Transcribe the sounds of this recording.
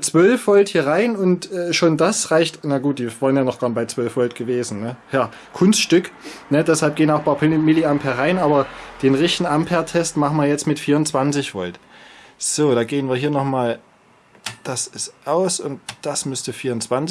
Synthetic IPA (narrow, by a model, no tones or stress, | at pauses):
t͡sv̥œlfv̥ɔlthiːɐʁaɪnʊntʔɛːʃoːndasʁaɪçtnaɡuːt̚d̥iːvaːʁənjaːnɔχɡ̥aɐnbaɪt͡sv̥œlfv̥ɔltɡ̥əveːzn̩nəjaː | kʰʊnstʃtʏknədɛshalp̚ɡ̥eːənaʊxpʰapʰmɪliampʰɛɐʁaɪnʔaːbɐd̥eːnʁɪçtn̩ampʰɛɐtʰɛstmaχn̩viːɐjɛt͡stmɪtfiːɐʊnt͡sv̥ant͡sɪçv̥ɔ̰ltz̥oːd̥aːɡeːənviːɐɦiːɐnɔχmaːl | d̥asɪstʔaʊsʊnt̚d̥asmʏstəfiːɐʊnt͡sv̥ant͡s